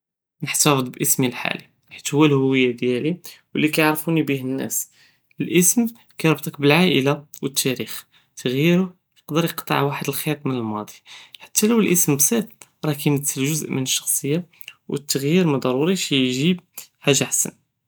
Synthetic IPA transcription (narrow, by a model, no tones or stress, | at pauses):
nəħt̪æfd̪ˤbʔəsmilħa̰li | ħit̪hʊwːælhʊwːəjːad̪jæliwəlːikæjʕɾˤfunibihənːæ̰s | əlʔəsm | kæjɾˤbt̪ˤɑkbəlʕaʔəlawət̪ʰːæɾix | t̪ʰːəɣjiɾʊ | jəqd̪əɾjəqt̪ˤə̰ʕwaħəd̪əlxit̪ˤmənəlmɑd̪ˤi̥ħḁt̪ʰːæləwəlʔəsmbsæt̪ | ɾˤɑkæməd̪səlʒʊzʔmənəʃːɑ̥xsˤəjːa | wʔə̰t̪ːəɣjiɾmd̪ˤɑɾˤuɾiʃijʒib̚hæʒaħsæ̰n